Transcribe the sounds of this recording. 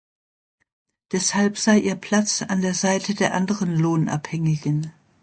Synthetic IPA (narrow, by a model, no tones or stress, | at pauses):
d̥ɛshalpz̥aɪʔiːɐpʰl̥at͡sa̰ndeːɐzaɪtʰədeːɐʔandəʁənloːnʔa̰phɛŋɪɡən